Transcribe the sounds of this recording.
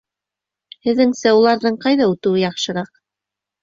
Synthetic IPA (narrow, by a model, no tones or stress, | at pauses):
hɘ̆ðːɘŋsæulˠɑɾðɤɴqɑjðɑut̪ɘ̆wɘjɑχʃɤ̆ɾɑq